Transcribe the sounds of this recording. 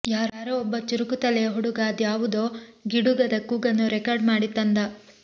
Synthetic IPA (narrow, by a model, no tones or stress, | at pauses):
jaːɾaːɾɐɔbːɐt͡ʃiɾukut̪ɐlɛjɐɦuɽuɡaːd̪jaːʋud̪oːɡiɽuɡɐd̪ɐkuːɡɐnːuɾɛkɐɾɖmaːɽit̪ːɐnd̪ɐ